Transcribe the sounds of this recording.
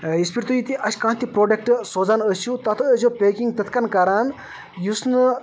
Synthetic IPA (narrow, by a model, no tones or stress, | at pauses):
ispʰiɾt̪ujit̪iʔɐsʲkãːt̪ipɾoːɖek̚ʈsoːd͡zanəsut̪ɐt̪ʰəd͡ʒopeːkiŋɡt̪ɐt̪ʰkɐnkɐɾaːn | jusn